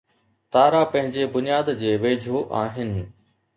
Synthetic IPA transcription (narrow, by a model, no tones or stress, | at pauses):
t̪aːɾapɐ̃ɦɪ̃ɲd͡ʑebʊnijaːd̪d͡ʑeːʋeːd͡ʑʱoʔaːɦɪnɪ̆